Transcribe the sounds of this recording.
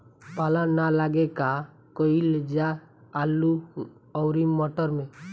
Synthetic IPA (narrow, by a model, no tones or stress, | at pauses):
paːlanalaɡeka | koiled͡ʒaː | lu | ɔʊɾimɔʈəɾmẽ